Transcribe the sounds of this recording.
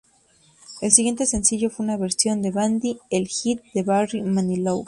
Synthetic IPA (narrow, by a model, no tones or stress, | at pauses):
elsiɣje̞nt̪e̞se̞nsiʝo̞fweunaβe̞ɾsjo̞nd̪eβand̪ielxit̪̚d̪e̞βarimanilow